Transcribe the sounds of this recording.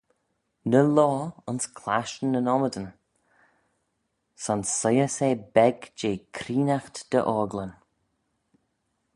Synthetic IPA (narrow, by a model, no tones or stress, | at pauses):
nəlɔːənskʰlaʃnənɔməd̪ən | sansəjəseːbɛɡd͡ʒeːkʰɾiːnaxt̪d̪̥ə̰ʔɔːɡlən